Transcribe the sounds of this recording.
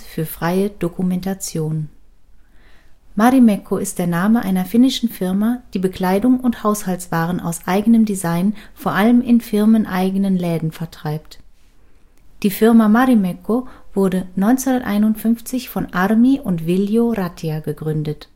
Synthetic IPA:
fyːɐfʁ̥aɪəd̥okumɛntat͡sjoːn | maʁimɛkʰoɪst̚d̥eːɐnaːməʔaɪnɐfɪnɪʃn̩fɪɐmad̥iːbəkl̥aɪdʊŋʊnthaʊshaltt͡sv̥aːʁ̞ənʔa̰ʊsʔaɪɡənəmdizaɪnfoːɐʔaləmɪnfɪʁmənʔaɪɡənənlɛːdn̩fɛɐtʁ̥aɪp̚t | d̥iːfɪɐmamaʁimɛkʰov̥ʊɐdənɔʏnt͡sehʊndɐtʔa̰ɪnʊntfʏnft͡sɪçfɔnʔaʁmiʔʊntv̥ɪljoʁatʰiaɡəɡʁʏndət

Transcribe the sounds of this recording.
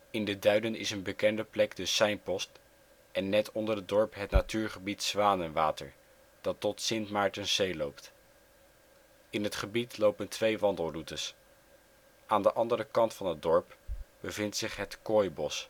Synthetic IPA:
ɪndədœɥdənɪ̰sənbəkɛndəplɛɡdəsɛjnpɔst | ʔɛnːɛtɔndərədɔɹpɦətnatyːɹχəbitsʋaːnənʋaːtə̰ɹ | d̥ɑtɔtsɪntmaːɹtənzejlowpt | ɪnɦətχəbitlowpəntʋejʋɑndəlˠrutəs | ʔaːndəʔɑndəɾəkɑntfɑnɦəd̚dɔɹpb̥əvɪntsɪχɦətkoːjbɔs

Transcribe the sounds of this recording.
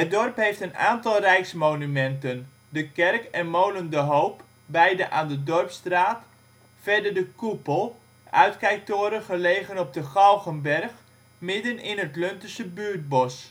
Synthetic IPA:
ət̚dɔrpɦejftəna̰ːntɑlˠrɛjksmownymɛntən | dəkɛrkɛnmowləndəɦowp | bɛjdəʔaːndədɔrpstraːt | fɛrdəɹdəkupəlˠ | ʔœ̰ɥtkɛjk̚toːɾəχəleːχənɔb̚dəχɑlˠɣənbɛrχ | mɪdənɪnɦətløntəsəbyːɹt̚bɔs

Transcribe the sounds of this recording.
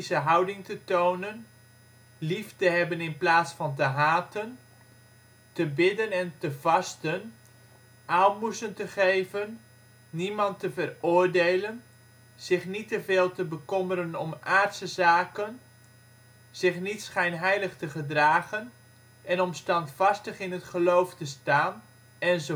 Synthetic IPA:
səɦʌwdɪŋtətownən | liftəɦɛbənɪnplaːtsfɑnt̬əɦaːtən | təbɪdənɛntəvɑstən | ʔaːmbusəntəχejvənː | imɑntəvərʊːɹdejlən | z̥ɪχnitəveːlˠtəbəkɔməɾənɔmʔaːɹtsəzaːkən | z̥ɪχnitsχɛjnɦɛjləχtəχədraːχən | ɛnɔmstɑntfɑstəχɪnɦətχəlowftəstaːn | ɛnzə

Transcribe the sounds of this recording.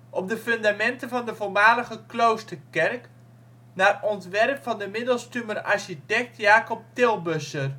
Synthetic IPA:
ʔɔp̚dəfɵndamɛntəvɑndəvoɹmaːləχəklowstərkɛrk | naːrɔntʋɛrpfɑndəmɪdəlˠstyməraɹʃitɛk̚tjaːkɔp̚tɪlˠbøsər

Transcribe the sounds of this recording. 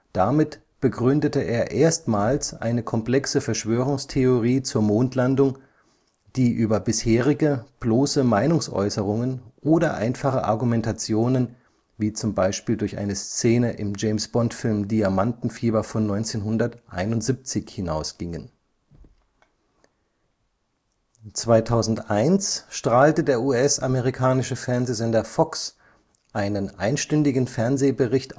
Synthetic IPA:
d̥amɪt | b̥əɡʁʏndətəʔeːɐʔeːɐstmaːlsʔa̰ɪnəkʰɔmpl̥ɛksəfɛɐʃv̥øːʁ̞ʊŋstʰeoʁiːt͡suːɐmoːntʰlandʊŋ | d̥iːʔyːbɐbɪsheːʁɪɡəb̥loːsəmaɪnʊŋsʔɔ̰ʏsəʁ̞ʊŋənʔoːdɐʔa̰ɪnfaχə̰ʔa̰ɐɡumɛntat͡sjoːnən | viːt͡sʊmbaɪʃpiːldʊɐçʔa̰ɪnəst͡seːnəʔɪmd͡ʒɛɪmsb̥ɔntfɪlmdiamantn̩fiːbɐfɔnːɔʏnt͡seːnɦʊndɐtʔa̰ɪnʊntz̥ip̚t͡sɪçhɪnaʊsɡ̥ɪŋən | t͡sv̥aɪtʰaʊzn̩tʔaɪnsʃtʁ̥aːltədeːɐʔuːɛsʔameʁikʰaːnɪʃəfɛɐnzeːzɛndɐfɔks | ʔaɪnənʔaɪnʃtʏndɪɡn̩fɛɐnzeːbəʁɪçt

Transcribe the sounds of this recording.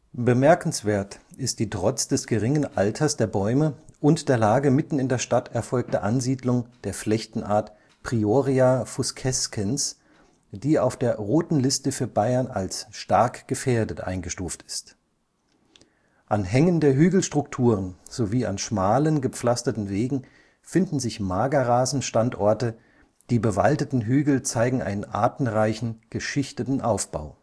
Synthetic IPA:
bəmɛɐkn̩sv̥eːɐtɪst̚d̥iːtʁ̥ɔt͡sd̥ɛsɡ̥əʁɪŋənʔaltʰɐsd̥eːɐbɔʏməʔʊntd̥eːɐlaːɡəmɪtn̩ɪndeːɐʃtatʰɛɐfɔlk̚təʔanziːdlʊŋd̥eːɐflɛçtn̩ʔa̰ːɐt | pʁ̥ioʁiafʊskʰɛskʰəns | d̥iːaʊfd̥eːɐʁoːtn̩lɪstəfyːɐbaɪɐnalsʃtaɐkɡ̥əfeːɐdətʔa̰ɪnɡəʃtuːftɪ̥st | ʔanɦɛŋəndeːɐɦyːɡl̩ʃtʁ̥ʊktʰuːʁ̞ənz̥oviːa̰nʃmaːlənɡəp͡flastɐtn̩veːɡŋ̩ | fɪndn̩zɪçmaːɡɐʁaːzn̩ʃtantʔɔɐtə | d̥iːbəva̰ltətn̩ɦyːɡl̩t͡saɪɡŋ̩ʔa̰ɪnənʔa̰ːɐtn̩ʁaɪçn̩ɡ̥əʃɪçtətn̩ʔaʊfb̥a̰ʊ

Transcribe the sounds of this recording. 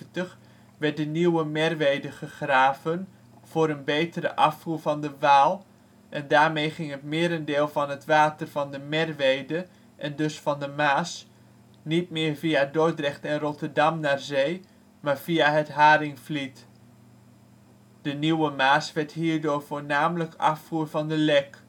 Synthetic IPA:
təχ | ʋɛɹt̚dəniwəmɛrʋejdəχəχraːvən | v̥ʊːɾənbejtəɾə̰ʔɑfuɹvɑndəʋaːlˠ | ʔɛndaːɹmejχɪŋɦətmɪːɾəndɪːlˠvɑnɦətʋaːtərvɑndəmɛrʋejdə | ʔɛndɵsfɑndəmaːs | nitmɪːɹvijadɔɹdrɛχtɛnrɔtəɹdɑmnaːɹzej | maːɹv̥ijaɦətɦaːɾɪŋflit | d̥əniwəmaːsʋɛɹtɦiːɹdʊːɹv̥ʊːɹnaːmələkɑ̰fuːɹvɑndəlɛk

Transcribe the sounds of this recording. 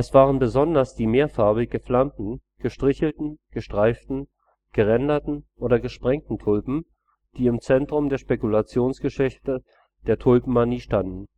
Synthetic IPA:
ʔɛsv̥aːʁ̞ənbəzɔndɐsd̥iːmeːɐfaɐbɪɡəflamtn̩ɡ̥əʃtʁ̥ɪçl̩tn̩ɡ̥əʃtʁ̥aɪftn̩ | ɡ̥əʁɛndɐtn̩ʔoːdɐɡəʃpʁ̥ɛŋ̚tn̩tʰʊlpm̩ | d̥iːɪmt͡sɛntʁ̥ʊmdeːɐʃpekulat͡sjoːnsɡ̥əʃɛçtə | d̥eːɐtʰʊlpm̩ːaniːʃtandn̩

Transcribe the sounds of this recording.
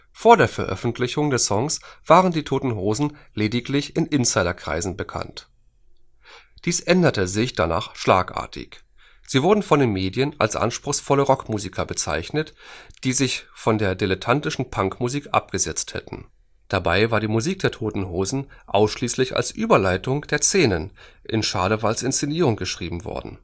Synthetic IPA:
foːɐdeːɐfɛɐʔœ̰fn̩tʰlɪçʊŋdɛsɔŋsv̥aːʁəndiːtʰoːtn̩ɦoːzn̩leːdɪklɪçɪnʔɪnsaɪɾɐkʁ̥a̰ɪzn̩bəkʰa̰nt | d̥iːsʔɛndɐtəzɪçd̥ana̰ːχʃla̰ːkʔa̰ːɐtʰɪ̰ç | z̥iːvʊɐdn̩fɔndeːnmeːdjəna̰lsʔa̰nʃpʁ̥ʊxsfɔləʁɔkmuːzikʰɐbət͡sa̰ɪçnətd̥iːzɪçfɔndeːɐdelətʰantɪʃn̩pʰaŋkmuziːkʔa̰p̚ɡ̥əzɛt͡sthɛ̰tn̩ | d̥abaɪvaːɐdiːmuziːk̚d̥eːɐtʰoːtn̩ɦoːzn̩ʔa̰ʊsʃliːslɪça̰lsʔyːbɐlaɪtʊŋd̥eːɐseːnənʔɪnʃaːdəvalsɪnst͡seniːʁ̞ʊŋɡ̥əʃʁ̥iːbm̩vɔ̰ɐdn̩

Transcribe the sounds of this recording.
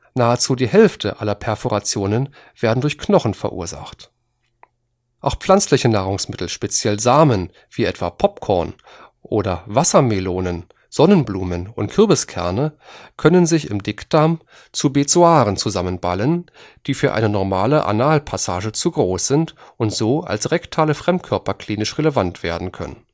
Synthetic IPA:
naːət͡suːdiːhɛlftʰəʔalɐpʰɛɐfoʁat͡sjoːnən | v̥eːɐdn̩dʊɐçknɔχn̩fɛɐʔṵːɐza̰χt | ʔaʊxfl̥ant͡slɪçənaːʁʊŋsmɪtl̩ʃpet͡sjɛlzaːmən | v̥iːʔɛtv̥a̰ːpʰɔp̚kʰɔɐn | ʔoːdɐvasɐmeloːnən | z̥ɔnənbluːmənʊ̰ntkʰʏɐbəskʰɛɐnəkʰœnənzɪçɪ̰mdɪkd̥am | t͡subet͡soaːʁənt͡suzamənba̰lən | d̥iːfyːɐʔa̰ɪnənɔɐmaːləʔa̰naːlpʰasaːʒət͡suɡʁoːsz̥ɪntʔʊntz̥oːa̰lsʁɛktʰaːləfʁ̥ɛmt̚kʰœɐpɐkʰl̥iːnɪʃʁeləvantv̥ḛːɐdn̩kʰœ̰nən

